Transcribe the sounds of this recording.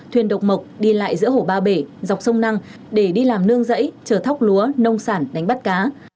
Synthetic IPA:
t̪ʰwi˨˩ənɗə˨˩wk͡p̚mə˨˩wk͡p̚ɗi˧la̰ː˧˨jzɨ̰˧˥əho˧˩ɓaː˧ɓe˧˩zwk͡p̚sə˧wŋ͡mna˧ŋ | ɗe˧˩ɗi˧laː˨˩mnɨ˧əŋzə̰˧˥jt͡ɕəː˧˩t̪ʰa˦˥wk͡p̚lu˨˦ənə˧wŋ͡msaː˧˩nɗa˨˦jŋ̟ɓa˦˥t̚kaː˨˦

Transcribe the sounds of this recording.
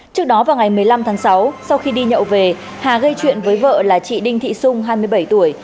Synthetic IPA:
t͡ɕɨ˦˥ək̚ɗɔ˨˦vaː˨˩wŋa˨˩jmɨ˨˩əjla˧mt̪ʰaː˨˦ŋsa˨˦wsa˧wxi˧ɗi˧ɲə̰˧˨wve˨˩ | haː˨˩ɣə˧jt͡ɕwḭ˧˨ənvəː˨˦jvə̰ː˧˨laː˨˩t͡ɕḭ˧˨ɗï˧ŋ̟t̪ʰḭ˧˨sʊ˧ŋ͡mɦaː˧jmɨ˧əjɓə˧˩jt̪u˧˩əj

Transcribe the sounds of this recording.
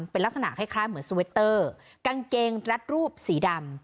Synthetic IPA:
mpe˧nla˦˥k̚sa˧na̰˨˩ʔkʰa˥˩jkʰɾaː˦˥˩jmɯ˩˦ənsu˧we˦˥t̪ːɤː˥˩ | ka˧ŋkeː˧ŋɾa˦˥t̪̚ɾuː˥˩p̚siː˩˦da˧m

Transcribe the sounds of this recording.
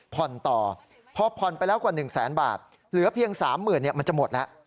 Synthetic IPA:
pʰɔ˨˩nt̪ɔː˨˩ | pʰɔ˧pʰɔ˨˩npa˧jlɛː˦˥wkwaː˨˩nɯ˨˩ŋsɛː˩˦nba̰ː˨˩t̪̚ | lɯ˩˦ɐpʰi˧əŋsaː˩˦mːɯː˨˩nːi˥˩ɐma˧nt͡ɕa˨˩mo˨˩t̪̚lɛ˦˥ʔ

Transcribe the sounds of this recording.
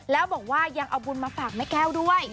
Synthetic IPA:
lɛː˦˥wbɔː˨˩˦k̚waː˥˩ja˧ŋʔa˧wbu˧nmaː˧faː˨˩k̚ma˥˩jkɛː˥˩wdu˥˩əj

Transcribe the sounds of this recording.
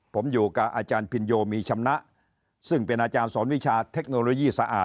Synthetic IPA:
pʰo˩˦mjuː˨˩ka˨˩ʔaː˧t͡ɕaː˧npʰi˧njoː˧miː˧t͡ɕʰa˧mna˦˥ʔ | sɯ˥˩ŋpe˧nʔaː˧t͡ɕaː˧nsɔː˩˦nwi˦˥t͡ɕʰaː˧t̪ʰe˦˥k̚noː˧loː˧jiː˥˩sa˧ʔa̰ː˨˩

